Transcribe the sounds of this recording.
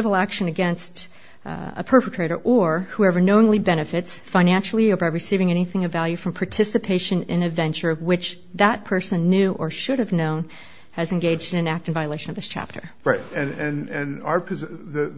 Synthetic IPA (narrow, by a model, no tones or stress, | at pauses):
ɪvl̩ˠækʃɨ̃nɨɡɛ̃nst | ə̰pʰɜ˞pətʰɹ̥eɪɾə˞ʔə˞huɛvə˞noʊɪ̃ŋlibɛñɨfɨtsfãɪ̃næ̃nʃl̩ˠiə˞baɪɹɨsivɪ̃ŋɛñiθɪ̃ŋʌvælˠjʉfɹʌ̃mpʰɑɹtʰɪsɨpʰeɪʃɨ̃nɪ̰̃nɨdvɛ̃nt͡ʃə˞wɪt͡ʃ | ðət̚pʰɜ˞sɨ̃nːʉʔə˞ʃʊɾɨvnõʊ̃n | ɨzɨ̃nɡeɪd͡ʒdɨ̃nɨ̃næk̚tɨ̃n̩vaɪəleɪʃɨ̃nʌvðɪst͡ʃʰæ̰p̚tʰə̰˞ɹaɪt̚ɨ̃nɨ̃nɨ̃npʰɨzðɨ